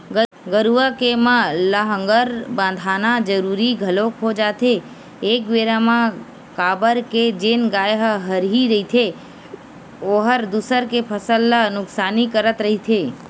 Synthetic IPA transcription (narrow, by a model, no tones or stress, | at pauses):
ɡə | ɡəɾuʋəkemãləɦə̃ŋɡəɾbãːnd̪ʱaːnad͡ʒəɾuːɾiɡʱəlokɦod͡ʒaːt̪ʰeː | k̚ʋeːɾamã | kaːbəɾked͡ʒeːnɡaːjɦəɦəɾɦiɾəɦit̪ʰe | oːɦəɾd̪usəɾkepʰəsəlːanʊksaːnikəɾət̪ɾəɦit̪ʰeː